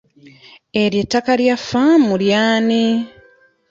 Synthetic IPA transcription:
eɾjetːakaljafamuljaːni

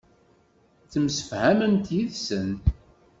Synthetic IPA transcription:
t͡sːəmsə̥fhæmənt̪jiðsən

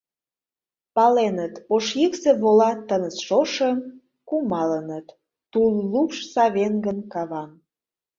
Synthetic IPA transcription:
pɑlenət̪oʃjikseβolɑt̪ːənət͡sʃoʃəm | kumɑlənət̪ː | ulːupʃsɑβenɡənkɑβɑn

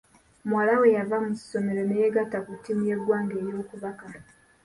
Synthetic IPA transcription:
mwalawe̞javamu̥so̞me̞ɾonejeɡatakutːimuje̞ɡwaːŋɡe̞ːɾjo̞ːkuβaka

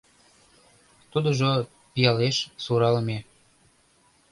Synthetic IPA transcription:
t̪ud̪oʒo | pijɑleʃsuɾɑlme

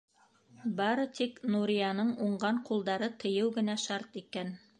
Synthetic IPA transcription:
bɑɾɤt̪iknuɾʲijɑnɤɴuɴɢɑɴqulˠd̪ɑɾɤt̪ʰɤ̆jɘwɡɘ̆næʃɑɾt̪ikæn

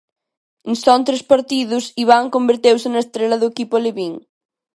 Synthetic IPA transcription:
ensɔnt̪ɾespaɾt̪iðusiβ̞aŋkombeɾt̪ewsenɐest̪ɾelɐðoekipoleβiŋ

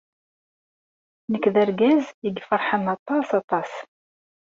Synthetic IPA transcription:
nəkːðæɾɡæziɡfəɾˤħənɑt̪ˤɑsɑt̪ˤɑs

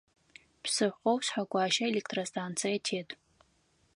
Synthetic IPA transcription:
pʰsɨħʷqowsħakʷʼaːʃaelekʰtʰʼrostʰant͡sʰijjatʰeːtʼ

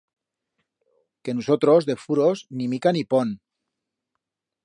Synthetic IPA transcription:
kenusot̪ɾozðefuɾoznimikanipon

